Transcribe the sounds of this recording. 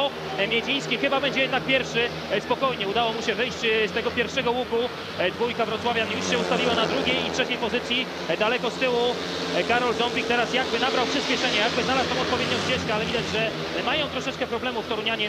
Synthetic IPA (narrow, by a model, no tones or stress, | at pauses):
ɔ | mʲjɛd͡ʑij̃skʲixɘbabɛɲd͡ʑɛjɛd̪nak̚pʲjɛɾfʂɘ | spɔkɔjɲɛud̪awɔmuɕɛvɘjɕt͡ɕst̪ɛɡɔpʲjɛɾfʂɛɡɔwuku | d̪vujkavɾɔt̪swavʲjanjusɕɛust̪avʲiwanad̪ɾuɡʲejitʂɛt͡ɕejpɔzɘt̪sʲji | d̪alɛkɔst̪ɘwu | kaɾɔld̪ɔmbʲik̚t̪ɛɾasjaɡ̚bɘnabɾawpʂɘɕpʲɛʂɛɲɛjaɡ̚bɘɨznalast̪ɔ̃w̃ɔt̪̚pɔvʲed̪ɲjɔ̃w̃ɕt͡ɕɛʂkɛalɛvʲid̪ad͡ʑʐɛ | majɔ̃w̃t̪ɾɔʂɛt͡ʂkɛpɾɔblɛmuft̪ɔɾuɲaɲɛ